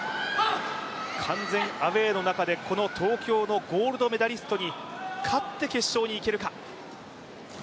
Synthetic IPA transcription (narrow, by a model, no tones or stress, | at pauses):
kʰãnd͡zẽ̞ŋaβe̞ːno̞nakad̪e̞kʰo̞no̞t̪ʰo̞ːkʲo̞ːno̞ɡo̞ːɾɯ̟d̪o̞me̞d̪aɾʲisɨ̥t̪o̞ɲ̟ikʰat̪ːe̞ke̞ɕːo̞ːɲ̟iːke̞ɾɯ̟ka